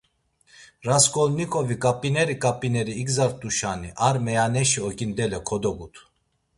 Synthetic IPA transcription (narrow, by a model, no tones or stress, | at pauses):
ɾaskʼɔlnikʼɔvikʼapʼinɛɾikʼapʼinɛɾiːɡzaɾt̪ʼuʃaniʔaɾmɛanɛʃiɔkʼind̪ɛlɛkʰɔd̪ɔɡut̪ʰ